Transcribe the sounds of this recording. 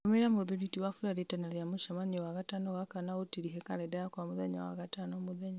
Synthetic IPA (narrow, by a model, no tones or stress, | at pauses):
meɾamoðuditiwafuɾaɾetanaɾiamoʃamanɛwaɣatanɔɣakanaotiɾiɦɛkaɾɛdajakwamoðɛɲa̰wa̰ɣatanɔmoðɛɲa